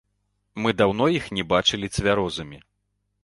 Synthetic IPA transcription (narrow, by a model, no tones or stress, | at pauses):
mɨd̪awnɔjixnʲɛbat͡ʂɨlʲit̪sʲvʲaɾɔzɐmʲi